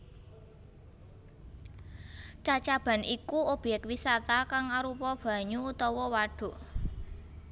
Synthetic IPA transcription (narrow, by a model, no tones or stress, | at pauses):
t͡ʃat͡ʃab̥a̤nʔikuob̥ɛkwisat̪akaŋaɾupɔb̥ä̤ɲuut̪ɔwɔwaɖ̥ṳʔ